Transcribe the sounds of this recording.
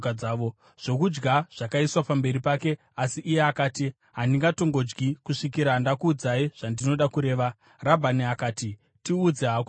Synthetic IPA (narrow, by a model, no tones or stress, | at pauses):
kad͡zaːʋo | ʐ̥o̞kud͡ʒɡaʐ̥akaiswapambe̞ɾipake̞ | asiʔːje̞akaːti | ɦandiŋɡato̞ŋɡo̞d͡ʒɡikuʂikiɾandakuːd͡zaiʐ̥andino̞ɗakuɾe̞ːʋa | rabʱaniakaːti | tiud͡zeɦak